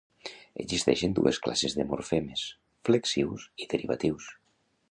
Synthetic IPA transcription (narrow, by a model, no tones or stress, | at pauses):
ḛzist̪ɛʃend̪ṵeskla̰sezðemoɾfemes | fleksiwsiðeɾiβa̰t̪iws